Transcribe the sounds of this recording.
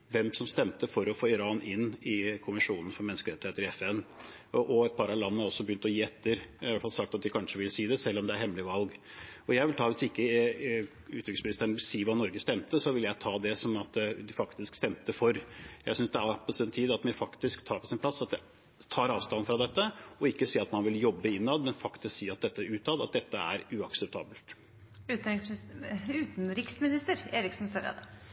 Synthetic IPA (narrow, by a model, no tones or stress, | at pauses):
ʋɛmsɔmst̪ɛmt̪əfɔɾɔfoːɪɾɑːnɪnːɪkʰʊmɪʂuːnən̩fɔɾmɛnːskəɾɛt̪ːɪheːt̪əɾɪɛfɛnː | ʔɔɛt̪̚pʰɑɾɑlɑnːəæɾɔsːɔbəjʏnt̪ɔjiːɛt̪ʰːəɾʋɛlfɑlsɑk̚t̪ɑt̪̚d̪ɪkʰɑnʂəʋɪlsiːd̪ɛsɛlːɔmd̪ɛæɾhɛmːlɪʋɑlɡɔjæɪʋɪlt̪ʰɑːʋɪsɪkːə | ʉːt̪ʋɪksmɪnɪst̪əɳʋɪlsiːʋɑːnɔɾɡəst̪ɛmt̪əsɔʋɪljæɪt̪ʰɑːd̪ɛsɔmɑt̪d̪ɪfɑkt̪ɪskst̪ɛmt̪əfɔɾjæɪsʏnsd̪ɛæpʰɔsɛnt̪ʰiːd̪ɑt̪mɛfɑkt̪ɪskt̪ʰɑːpɔsɛnpʰlɑsːɑt̪̚d̪ɛ | t̪ʰɑːɾɑːʋst̪ɑnfɾɑd̪ɛt̪ːəɔɪkːəsiːɑt̪mɑnʋɪljɔbːəɪnːɑd̪mɛnfɑkt̪ɪsksiːɑt̪̚d̪ɛt̪ːəʉːt̪ʰɑːd̪ɑt̪̚d̪ɛt̪ːəæ̰ɾʉɑksəp̚t̪ʰɑ̰ːbəlt̪ː | t̪ɪ | ʉːt̪nɾɪksmɪnɪst̪əɾeːɾɪksnsɔɾɑ̰d̪ɛ